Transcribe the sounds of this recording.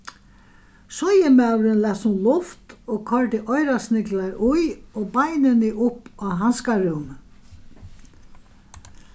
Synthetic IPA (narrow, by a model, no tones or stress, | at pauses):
sɔjɪmawɾɪnlasʊnlʊft̪oːkʰɔɹʈ̪ɪʔɔjɾasnɪklaɾʔʊjoːbajnɪnɪʔʊpːaɦanskaɾɪwm